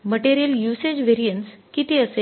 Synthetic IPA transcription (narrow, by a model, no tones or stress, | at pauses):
məʈeɾijəljused͡ʑʋeɾijəɳʈskit̪iəse